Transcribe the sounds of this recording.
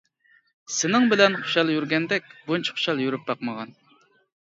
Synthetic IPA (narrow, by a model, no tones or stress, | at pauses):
sɪnɪŋbɪlɛnχʊ̥ʃɑlˠjyɾɡʲɛnd̪ɛkʲbunt͡ʃʰi̥χʊ̥ʃɑlˠjyɾyp̚bɑqməʁɑn